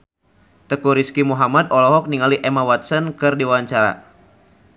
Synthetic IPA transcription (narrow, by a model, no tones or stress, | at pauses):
t̪əkuɾiskimuɦamadɔlɔɦɔk̚niŋaliʔɛmawat̪̚sənkɨrdiwaɲt͡ʃaɾa̰